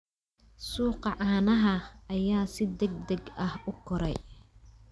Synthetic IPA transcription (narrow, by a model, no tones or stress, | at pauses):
suːqɑʕaːnɐɦɐɐjaːsɪd̪ɛɡ̚d̪ɐɡɐhʊkʰʊɾɛ̰j